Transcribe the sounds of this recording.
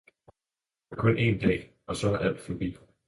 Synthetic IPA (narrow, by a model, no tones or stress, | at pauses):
ækʰɔ̽nʔe̝nd̥ɛ̰ː | ʔɒ̽sɒ̽æɐʔæl̰d̥fɒb̥ḭː